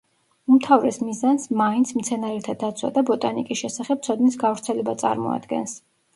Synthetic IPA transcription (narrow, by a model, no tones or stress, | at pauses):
umt̪ʰavɾɛsmizansmaint̪sʰmt̪sʰɛnaɾɛt̪ʰad̪at̪sʰwa̰d̪abɔt̪ʼanikʼisʃɛsaχɛb̚t̪sʰɔd̪nisɡavɾt̪sʰɛlɛbat̪sʼa̰ɾmɔ̰a̰d̪ɡɛ̰ns